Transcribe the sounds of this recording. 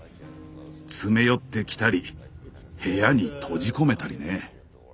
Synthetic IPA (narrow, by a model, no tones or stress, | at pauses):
t͡sɨme̞jo̞t̪ːe̞kʲi̥t̪aɾʲi | he̞jaɲ̟it̪ʰo̞ʑiko̞me̞t̪aɾʲḭne